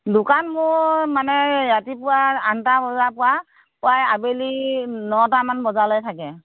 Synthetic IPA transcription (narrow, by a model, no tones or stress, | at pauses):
dʊkanmʊɹmanɛjatipʊwaantabɔapʊwa | pʊajabelinɔtamanbɔzalojtʰakɛ